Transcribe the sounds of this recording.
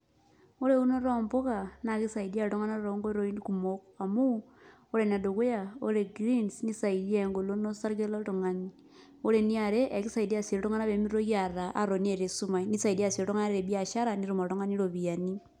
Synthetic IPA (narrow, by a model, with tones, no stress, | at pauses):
o˦ɾe˦u˦no˦ɾo˨mbo˦ka˨na˨ki˦sa˨idi˦a˦ɾto˦ŋa˦na˦ɾoɾo˦ŋɡo˦ɾo˨˦i˦nku˨moka˨mu˦ | o˦ɾe˨n˨a˨do˨ke˦ja˨o˦ɾe˨ɡɾi˦nsni˦sa˨i˨di˦e˦ŋɡo˨lo˦no˦sa˦ɾɡe˦lo˦to˨ŋa˨ni˦ | o˦ɾe˨ni˦a˨ɾe˦ʔe˨ki˦sa˨i˨da˦˨se˨ɾo˦to˦ŋa˦na˦βe˨˦mi˦ɾo˦ɣja˨ɾa˨ʔa̰˦ɾo˨ni˦e˨ɾe˨su˦ma˨ini˦sa˨i˨di˦a˦˨si˨ɾoto˦ŋa˦na˦ɾeɾe˨bi˦a˨ʃa˦ɾa˨ni˦ɾu˨ma˨ɾto˦ŋa˦ni˦ɾo˨βi˨a˨ni˦